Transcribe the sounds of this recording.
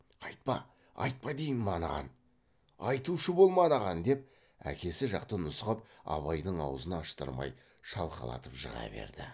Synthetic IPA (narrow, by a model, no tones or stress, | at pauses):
ɑjt̪̚pɑ | ɑ̰jt̪̚pɑd̪ejnmɑnɑ̰ʁɑ̰n | ɑjt̪uʃəbo̞lˠmɑnɑʁɑnd̪e̞p̚ | æ̰kʲe̞sɪʒɑqt̪ənʊsqəp̚ɑ̰βɑjnəɴɑwəzənɑːʃt̪ə̰ɾmɑ̰j | ʃɑlˠqəlˠɑ̰t̪əpʒə̰ʁɑ̰be̞̰ɾd̪ɪ